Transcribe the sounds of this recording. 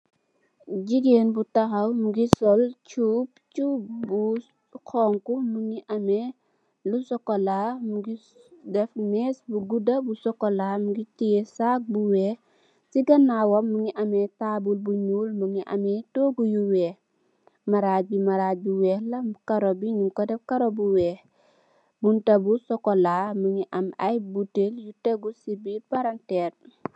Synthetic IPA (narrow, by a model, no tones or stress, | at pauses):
ɟiɡeːnbutɐxɐwmuɡisɔlt͡ʃuːp̚t͡ʃubu | kɔŋkumuŋiʔɐmɛ | lusɔkːɔlamuɡi | dɛfmɛːsbuɡudɐbusɔkːɔlamuɡitijɛsak̚buwɛː | siɡɐnawɔmːuŋiʔɐmɛtabulbuɲuːlmuŋiʔa̰mɛtoɡujuwɛːh | maɾaːbimaɾaːbiwɛːhlɐkaɾɔbiɲumkɔdɛfkaɾobuwɛːh | buntɐbusɔkɔlamuŋiʔɐmajbuteljuteɡusibipaɾantɛːr